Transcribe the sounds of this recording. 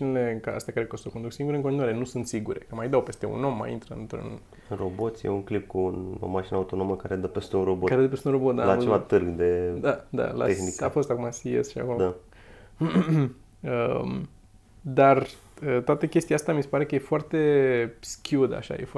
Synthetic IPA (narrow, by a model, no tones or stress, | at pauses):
inile̞kaa̰st̪eakaɾekost̪oko̞nd̪uksiŋɡuɾeɨŋkoninuwaɾe̞nusunt̪siɡuɾe̞kəmajd̪awpe̞st̪e̞ṵno̞mːa̰jḭnt̪ɾəɨ̰nt̪ɾṵn | ɨro̞bo̞t̪sʲjḛuŋklip̚kuːno̰maʃinəaut̪o̞noməkaɾed̪əpest̪eunro̞bokaɾed̪əpest̪unro̞bo̞t̪̚d̪alat͡ʃevat̪ɨrɡd̪e̞d̪ad̪a̰la̰exnikaafo̞st̪akumasiḛsʃia̰komd̪a | əm | d̪ar | ət̪oat̪əkʲe̞st̪ijast̪amise̞paɾe̞kəje̞foart̪e̞skʲiud̪a̰ʃa̰jḛf